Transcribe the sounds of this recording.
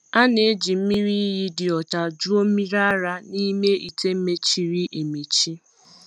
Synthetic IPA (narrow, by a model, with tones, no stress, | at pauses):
a˦ne˨˦d͡ʒi˨m̩˦mi˦ɾi˦ɦi˦dɪ˨ɔ˨t͡ʃa˨d͡ʒu˦o˦mi˦ɾa˦a˦ɾa˦ni˦me˦i˨te˦m̩˦me˦t͡ʃi˨ɾi˦ʔe˨me˨t͡ʃi˦